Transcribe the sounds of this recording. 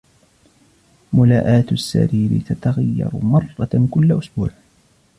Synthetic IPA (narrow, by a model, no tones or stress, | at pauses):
mʊlaːʔaːt̪sːa̰ɾiːɾɪ̰t̪at̪aɣajːɑ̰ɾʊmɑrˤːɑkʊlːaʔʊsbuːʕ